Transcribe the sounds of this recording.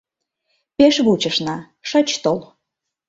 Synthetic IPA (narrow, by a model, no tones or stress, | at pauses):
peʃβut͡ɕəʃnɑ | ʃɑt͡ɕt̪ol